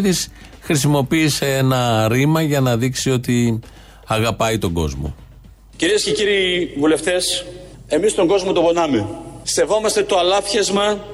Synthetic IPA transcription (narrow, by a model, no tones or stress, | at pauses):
ðis | xɾis̬imo̞piːse̞enɐɾimɐʝɐnɐðiksio̞t̪i | ɐɣɐpɐit̪o̞ɡo̞̰zmo̞̰ | ciɾiesce̞ciɾiːvule̞ft̪e̞s | e̞mist̪o̞ŋɡo̞zmot̪obonɐmese̞vo̞mɐst̪e̞t̪oɐlɐfçezmɐ